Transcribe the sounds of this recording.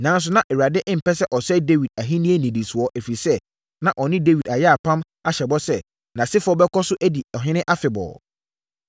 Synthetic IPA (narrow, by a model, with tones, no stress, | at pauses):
nã˦n˦s̬ʊ˦nã˦ʔɛ˨wa˨dɪ˦ʔɪ̃˦m̩˨pɛ˦sɛ˦ʔɔ˨sɛ˦de˦wi˨d̚a˨ɦi˦nĩ˦e˦nĩ˨di˨su˨ɔ˦ʔe˨fi˨sɛ˦ | nã˨ʔɔ˨nɪ̃˦de˦wi˨da˨jɛ˦a˨pʰã˦m | a˦ɕɛ˨bɔ˦sɛ˦ | nã˨sɪ˦fɔ˦bɛ˦kʰɔ˦sʊ˦ʔæ˦di˨ɔ˨ɦɪ̃˦nɪ̃˦ʔa˦fɪ˨bɔ̰˨